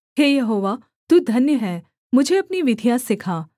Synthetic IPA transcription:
ɦeːjɐɦoːʋa | t̪uːd̪ʱɐnjəɦɛː | mʊd͡ʒʱeɐpniʋɪd̪ʱjasɪkʰaː

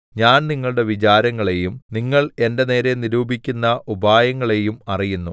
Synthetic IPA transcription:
ɲaːnniŋːɐɭɨɽe̞ʋit͡ɕaːɾɐŋːɐɭe̞jumniŋːɐɭe̞nde̞ne̞ːɾe̞niɾuːbʱikʲːunːɐʔubʱaːjɐŋːɐɭe̞jumɐrijunːu

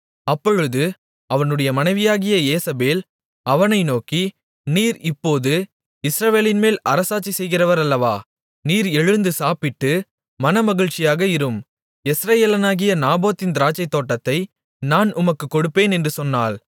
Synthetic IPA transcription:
ɐpːɔɻɯðɯ | ɐʋɐnɯɽɐjɐmɐnɐɪʋɪjaːɣɪjɐeːsɐbeːl | ɐʋɐnɐɪnoːki | niːɾɪpːoːðɯ | ɪsɾɐʋeːlɪnmeːlʔɐɾɐsaːt͡ʃːisɛjɣɪrɐʋɐɾɐlːɐʋaː | niːɾɛɻɯnd̪ɯsaːpɪʈːɯ | mɐnɐmɐɣɪɻt͡ʃːɪjaːɣɐɪɾɯm | ɛsɾɐjeːlɐnaːɣɪjɐnaːboːt̪ːɪnd̪ɪɾaːt͡ʃːɐɪt̪ːoːʈːɐt̪ːɐɪ | naːnʔʊmɐkːɯkːɔɽɯpːeːnɛndrɯsɔnːaːl

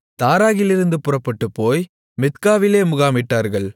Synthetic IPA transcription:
t̪aːɾaːɣɪlɪɾɯnd̪ɯpʊrɐpːɐʈːɯpːoːj | mɪt̪kaːʋɪleːmʊɣaːmɪʈːaːɾɣɐɭ

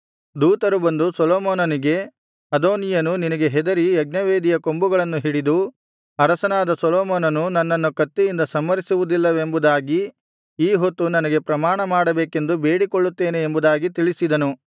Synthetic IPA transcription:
d̪uːt̪ɐɾubɐnd̪usɔlɔːmoːnɐniɡe̞ | ɐd̪oːnijɐnuninɐɡe̞ɦɛd̪ɐɾiɐɡ̚nɐʋeːd̪ijɐko̞mbuɡɐɭɐnːuɦiɽid̪u | ɐɾɐsɐnaːd̪ɐsɔlɔːmoːnɐnunɐnːɐnːukɐt̪ːejind̪ɐsɐmːɐɾisuʋud̪ilːɐʋe̞mbud̪aːɡi | iːɦot̪ːunɐnɐɡe̞pɾɐmaːɳɐmaːɽɐbeːke̞nd̪ube̞ːɽikoɭːut̪ːeːneːmbud̪aːɡit̪iɭisid̪ɐnu

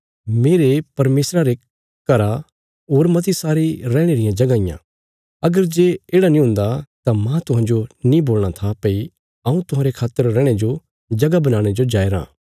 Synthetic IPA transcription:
meːɾepɐɾmeːsɾaɾe | kɐɾa | ɦoːɾmɐt̪̬isaːɾiɾɛːɽ̃eɾɪjãd͡ʒɐɡaːɪjã̰ | ɐɡəɾd͡ʒeːeːɽanĩɦʊ̃nd̪at̪amãt̪ʊɦãːɲd͡ʒonĩboːlɽ̃at̪ʰapɐi | ɐũt̪ʊɦãːɾekʰaːt̪ːəɾːɛːɽ̃ed͡ʒo | d͡ʒɐɡabɐnaːɽ̃ed͡ʒod͡ʒaːeɾã̰ː

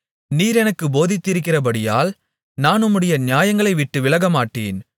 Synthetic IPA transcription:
niːɾɛnɐkːɯboːðɪt̪ːɪɾɯkːɪrɐbɐɽɪja̰ːl | naːnʊmːɯɽɐjɐnɪjaːjɐŋɡɐɭɐɪʋɪʈːɯʋɪlɐɣɐmaːʈːḛːn

